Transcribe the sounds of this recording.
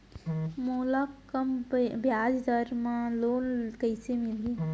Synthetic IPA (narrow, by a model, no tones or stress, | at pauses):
molakː | əmbʱjaːd͡ʒd̪əɾmãloːnkəɪsemɪli